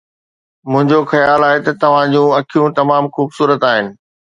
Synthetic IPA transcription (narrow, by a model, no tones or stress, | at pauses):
mʊ̃ɦɪ̃ɲd͡ʑoxɐjaaːlaːɦet̪ɐt̪ɐʋ̤ãd͡ʑũːɐkʰijũt̪ɐmaːmxuːbsuːɾət̪aːɦɪnɪ̆